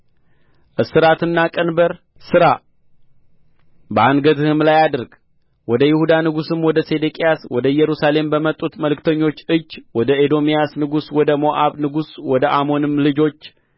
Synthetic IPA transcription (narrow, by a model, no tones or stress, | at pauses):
ʔɨsɨɾat̪ʰɨnːakʼənbəɾ | sɨɾa | bəanɡət̪ɨhɨmlajad̪ɨɾɡ | wɔd̪əjɪhud̪anɨɡusɨmwɔd̪əse̞d̪ekʼijaswɔd̪əjɛɾusale̞mbəmət̪ʼːut̪məlɨkt̪ʰəɲːo̞t͡ʃːɨd͡ʒːwɔd̪əed̪o̞mijasnɨɡuswɔd̪əmo̞ʔaβnɨɡuswɔd̪əʔamo̞nɨmlɨd͡ʒo̞t͡ʃː